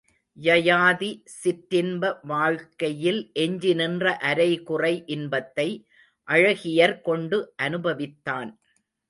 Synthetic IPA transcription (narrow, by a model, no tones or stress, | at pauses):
jɐjaːði | sɪt̪ːɪnbɐʋaːɻkɐjɪlʔɛɲd͡ʒɪnɪndrɐʔɐɾɐɪkʊrɐɪʔɪnbɐt̪ːɐɪ | ʔɐɻɐɣɪjɐɾkɔɳɖɯʔɐnɯbɐʋɪt̪ːaːn